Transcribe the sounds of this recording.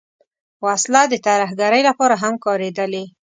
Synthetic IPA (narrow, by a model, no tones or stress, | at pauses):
waslad̪ət̪aɾahɡaɾəjlapɑɾaɦamkɑɾed̪əle